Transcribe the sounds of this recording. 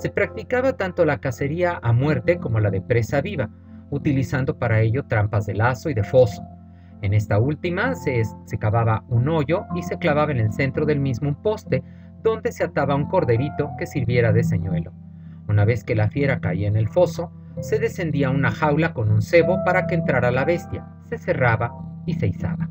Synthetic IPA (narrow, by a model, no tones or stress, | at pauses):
se̞pɾak̚t̪ikaβat̪ant̪o̞lakase̞ɾiaʔamwe̞ɾt̪e̞ko̞mo̞laðe̞pɾe̞saβiβa | ut̪ilisand̪o̞paɾae̞ʝo̞t̪ɾampazðe̞laso̞iðe̞fo̞so̞̥ | e̞ne̞st̪ault̪imasese̞kaβaβauno̞ʝo̞ise̞klaβaβaene̞lse̞nt̪ɾo̞ðe̞lmizmoumpo̞st̪e̞ | ðo̞nd̪e̞se̞at̪aβauŋko̞ɾðe̞ɾit̪o̞ke̞siɾβje̞ɾaðe̞s̬eɲwe̞lo̞̰ | unaβe̞ske̞lafje̞ɾaka̰iaene̞lfo̞so̞ | se̞ðe̞se̞nd̪iaunaxawlako̞nunse̞βo̞paɾakeːnt̪ɾaɾalaβe̞st̪ja̰ | se̞se̞raβaisejsa̰βa